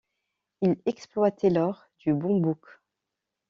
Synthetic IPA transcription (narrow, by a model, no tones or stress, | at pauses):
ilɛksplwat̪ɛlɔʁ | d̪̥ybɔ̃buk